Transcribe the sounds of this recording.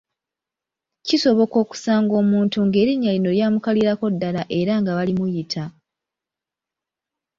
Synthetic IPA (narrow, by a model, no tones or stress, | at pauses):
ciso̞βo̞ko̞ːku̥saːŋɡo̞ːmuːntuŋɡe̞ːɾiɲːalino̞ljaːmukaliɾako̞dːalaʔe̞ɾaŋɡaβalimujitʰa